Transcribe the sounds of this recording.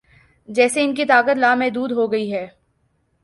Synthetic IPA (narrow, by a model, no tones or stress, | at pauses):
d͡ʒɛːseɪnk̬it̪aːkət̪laːmẽd̪uːd̪ɦoɡɐiɦɛː